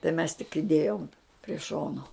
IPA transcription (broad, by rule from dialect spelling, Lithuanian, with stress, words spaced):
tɐɪ mʲɛs tʲɪk ɪˈdʲeːjoːm pʲrʲiɛ ˈʃoːnoː